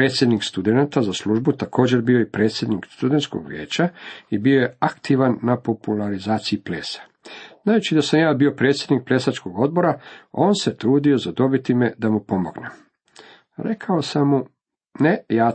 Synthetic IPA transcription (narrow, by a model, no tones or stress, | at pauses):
ɾet̪sje̞d̪nikst̪ud̪enat̪azaslˠuːʒbut̪ako̞ːd͡ʑe̞ɾbio̞jipɾe̞ːt̪sje̞d̪nikst̪ud̪ent̪sko̰ɡʋjḛːt͡ɕaibio̞je̞akt̪iʋanːapo̞pulˠaɾizaːt̪siiplḛːsḁ | z̥naːjut͡ʃid̪asamjaːbio̞pɾe̞t̪sjed̪nik̚ple̞sat͡ʃko̞ɡo̞d̪̚bo̞ɾao̞ːnse̞t̪ɾuːd̪io̞zad̪o̞bit̪ime̞d̪amupo̞mo̞ɡne | ɾe̞kʰao̞samːu | nejaː